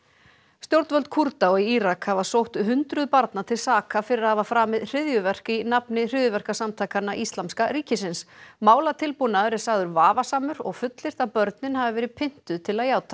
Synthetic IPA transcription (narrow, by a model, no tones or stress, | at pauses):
st̪jowɾt̪vœlt̪̚kʰuɾt̪aɔiiɾakhavasowht̪ʏɦʏnt̪ɾʏðpaɾt̪nat̪ʰɪlsaːkafɪɾɪɾahavafɾaːmɪðr̥ɪðjʏvɛr̥kɪnapnɪr̥ɪðjʏvɛr̥kasamt̪ʰaːjkanːaʔist̪lamskaɾiːcɪsɪnsmaːwlat̪ʰɪlpunaɛɾɪsaɣðʏɾvaːvasaːmʏɾɔ̰ɣfʏt̪lɪr̥t̪aðpœɾt̪nɪnɦavɪvɛːɾɪpʰɪn̥t̪ʏðt̪ʰɪlaðjaːwt̪ʰḁ